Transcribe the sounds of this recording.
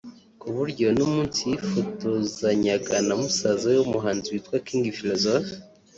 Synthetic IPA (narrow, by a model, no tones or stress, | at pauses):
kuβuɾɟo̞numuːnsijifotozaɲaɡanamusazajomuɦaːnziitwakiːŋɡifilozofi̥